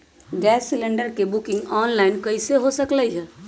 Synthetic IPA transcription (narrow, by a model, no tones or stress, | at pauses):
ɖɛːsːɪlẽɳɖəɾkebʊkɪ̃ŋɡɔːnlaɪnkəɪseɦosəkləiɦɛː